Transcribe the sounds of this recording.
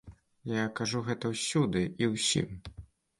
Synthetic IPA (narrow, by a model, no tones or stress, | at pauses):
jakaʐuɣɛt̪ɐwsʲud̪ɨiwsʲḭm